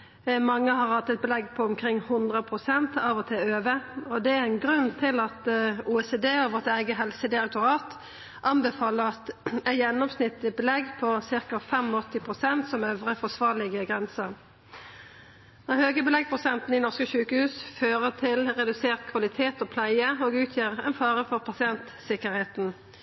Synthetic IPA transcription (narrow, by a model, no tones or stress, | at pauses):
mɑŋːəhɑʁɑt̪ːɛt̪̚bəlɛɡpʰɔɔmkʰʁɪŋːhʊnd̪ʁəpʰʁʊsɛnt̪ɑːʋɔt̪ʰɛøːʋəɔd̪ɛæɛɪnɡʁʉnːt̪ʰɪlɑt̪uːɛseːd̪eːɔʋɔʁt̪æɪɡəɦɛlsəd̪ɪɾɛk̚t̪ʊʁɑːt̪ | ʔɑnbɛfɑːləʁɑt̪ɛt̪jɛnːɔmsnɪt̪ːləbəlɛɡpʰɔsɪʁkɑfɛmɔt̪ːɪpʰʁʊsɛnt̪sɔmœʋʁəfɔsʋɑːʁlɪɡəɡʁɛnsəʁ | nɔʁhøːɡəbɪlɛɡ̚pʰʁʊsɛnt̪n̩ɪnɔʁskəʃʉːkəhʉːsføːʁət̪ʰɪlʁɛd̪ʉseːʁkʰʋɑlɪt̪ʰeːt̪oːpʰlæɪəoːɡʉːt̪ʰjiːʁɛnfɑːʁəfɔʁpʰɑsɪɛnt̪sɪkəɾheːt̪n̩